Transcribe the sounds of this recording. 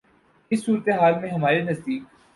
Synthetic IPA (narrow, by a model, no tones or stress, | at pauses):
ɪsːuːɾət̪eɦaːlmẽɦɐmaːɾenɐzd̪iːk̚